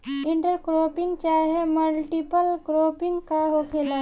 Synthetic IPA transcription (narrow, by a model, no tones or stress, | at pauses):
ɪ̃ɳʈəɾkɾoːpɪ̃ŋɡt͡ʃaːɦeməlʈipəlkɾoːpɪ̃ŋɡkaɦokʰelaː